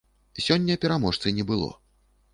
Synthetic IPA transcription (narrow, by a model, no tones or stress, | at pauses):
sʲɔnʲːɐpʲɛɾamɔʂt̪sɨnʲɛbɨlˠɔ̰